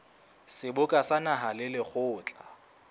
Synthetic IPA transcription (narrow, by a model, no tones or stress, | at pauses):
sɪbʊkʼasanaɦalɪlɪχʊːt͡ɬʼa